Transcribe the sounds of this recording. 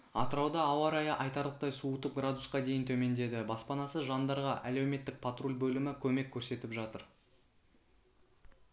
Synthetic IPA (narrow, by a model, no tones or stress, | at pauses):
ɑt̪əɾɑwd̪ɑːwɑɾɑjɑʔɑjt̪ɑɾlˠəq̚t̪ɑjsuət̪əp̚ɡrad̪usqɑd̪e̞jɪnt̪ʰɵme̞nd̪e̞d̪ɪbɑspɑnɑsəʒɑnd̪ɑɾʁɑʔæle̞wme̞t̪ːɪk̚pʰat̪rolʲbɵlɪmɪkʲʰɵme̞kʲʰːɵɾse̞t̪ɪpʒɑt̪əɾ